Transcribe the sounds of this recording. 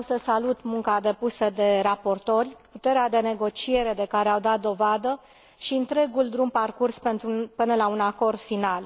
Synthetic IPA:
səsalut̪muŋkad̪e̞pusəd̪e̞ɾapo̞rt̪o̞rʲput̪e̞ɾead̪e̞ne̞ɡo̞t͡ʃie̞ɾe̞d̪e̞kaɾeawd̪at̪̚d̪o̞vad̪ə | ʃiɨnt̪ɾe̞ɡuld̪ɾumparkurspe̞nt̪ɾupɨnəlaunako̞rd̪̥final

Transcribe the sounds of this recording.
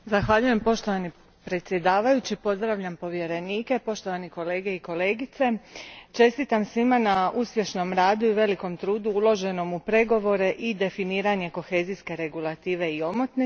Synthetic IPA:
zaxʋaʎuje̞mpo̞ʃt̪o̞ʋani | pɾe̞t̪sje̞d̪aːʋajut͡ɕipo̞zd̪ɾaʋʎampo̞ʋje̞ɾe̞niːke̞po̞ʃt̪o̞ʋaniko̞le̞ːɡe̞iko̞le̞ːɡit̪se̞t͡ʃe̞st̪it̪amsʋimanauspje̞ʃno̞mɾaːd̪uiʋe̞liko̞mt̪ɾuːd̪uulˠo̞ʒe̞no̞mupɾe̞ɡo̞ʋo̞ɾe̞ʔid̪e̞finiːɾaɲe̞ko̞xe̞ziske̞ɾe̞ɡulˠat̪iːʋe̞io̞mot̪ne

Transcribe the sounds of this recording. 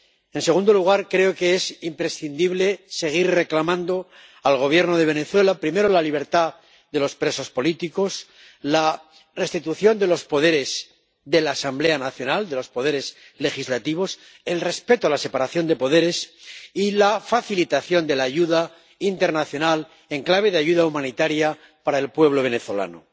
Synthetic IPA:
e̞nse̞ɣũnd̪o̞luɣ̞aɾkɾe̞o̞ke̞esimpɾe̞sθind̪iβle̞se̞ɣ̞iɾre̞klamãnd̪o̞ | alɣ̞o̞β̞je̞ɾno̞ðe̞β̞e̞ne̞θwe̞lapɾime̞ɾo̞laliβ̞e̞ɾt̪a | ðe̞lo̞spɾe̞so̞spo̞lit̪iko̞s | la | re̞st̪it̪uθjo̞nd̪e̞lo̞spo̞ð̞e̞ɾe̞z | ðe̞laːsamble̞anaθjo̞nald̪e̞lo̞spo̞ð̞e̞ɾe̞z | le̞xizlat̪iβ̞o̞s | e̞lre̞spe̞t̪oalase̞paɾaθjo̞nd̪e̞po̞ð̞e̞ɾe̞silafaθilit̪aθjo̞nd̪e̞laːʝuða | int̪e̞ɾnaθjo̞nal | e̞ŋklaβ̞e̞ðeaʝuðaumãnit̪aɾja | paɾaelpwe̞βlo̞β̞e̞ne̞θo̞la̰no̰

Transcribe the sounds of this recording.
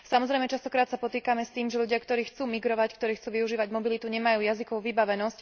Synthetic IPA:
samɔzɾɛjmɛt͡ʃast̪ɔkɾaːt̪sapɔt̪iːkamɛst̪iːmʒɛʎuɟɪakt̪ɔɾiːxt͡suːmiɡɾɔʋackt̪ɔɾiːxt͡suːʋiuʒiːʋaɟmɔbilit̪uɲɛmajuːjazikɔʋuʋibaʋɛnɔsc

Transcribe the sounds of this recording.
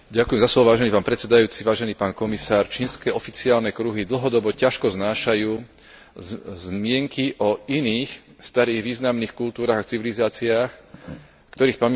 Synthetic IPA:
ɟakujɛmzaslɔʋɔʋaːʒɛnipaːnpɾɛtt͡sɛd̪ajuːt͡siʋaːʒɛniːpaːnkɔmisaːɾt͡ʃiːnskɛːʔɔfit͡siaːlnɛkɾuɦid̪l̩ɦɔd̪ɔbɔcaʃkɔznaːʃajuː | zmɪɛŋkiʔɔiniːxst̪aɾiːɣʋiːznamniːxkult̪uːɾaːɣat͡siʋilizaːt͡siaːx | kt̪ɔɾiːxpam

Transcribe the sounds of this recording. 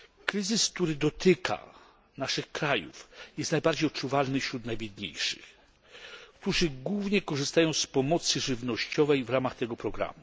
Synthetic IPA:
kɾɘzɘskt̪uɾɘd̪ɔt̪ɘkʰa̰ | naʂɘxkɾajṵfjɛst̪najbaɾd͡ʑejɔtt͡ʂuvalnɘfɕɾut̪najbʲjɛd̪ɲḛjʂɨ̥̰x | kt̪uʐɘɡwuvɲɛkɔʐɘst̪ajɔ̃w̃spɔmɔt̪sɘʐɘvnɔɕt͡ɕɔvɛjvɾamaxt̪ɛɡɔpɾɔɡɾa̰mu

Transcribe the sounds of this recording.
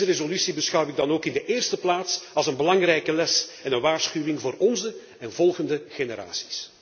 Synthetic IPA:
zərezolysibəsxʌwɪɡ̚dɑnoːkɪndəʔɪːrstəplaːtsɑlˠzənbəlɑŋrɛjkəlɛsɛnənʋaːrsxywɪŋvoːrɔnzə | ɛnvɔlˠɣəndəɣenəɾa̰ːsi̥s

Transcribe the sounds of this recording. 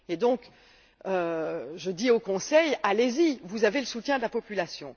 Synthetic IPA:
ed̪ɔ̃k | øʒəd̪iokɔ̃sɛjalezivuzaveləsut̪jɛ̃d̪əlapɔpylasjɔ̃

